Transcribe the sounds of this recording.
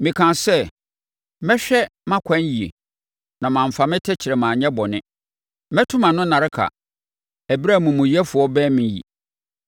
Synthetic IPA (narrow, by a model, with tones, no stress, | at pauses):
mɪ̃˨kʰã˨sɛ˦ | mɛ̃˦ɕᶣɛ˦mã˦kʷʰã˦n˦ji˨ḛ˨ | nã˨mã˨ɱ̩˨fa˨mɪ̃˦tʰɛ˦t͡ɕʰɪ˨ɾɛ˨mãː˨ɲɛ̃˦bɔ˨nɪ̃˦ | mɛ̃˦tʰʊ̃˦mã˨nʊ̃˦nã˨ɾɪ˦kʰa̰˨ | æ˨bi˦ɾa˦˨mũ˨mʊ̃˨jɛ˦fʊ˨ɔ˦bɛː˦mɪ̃˨jḭ˨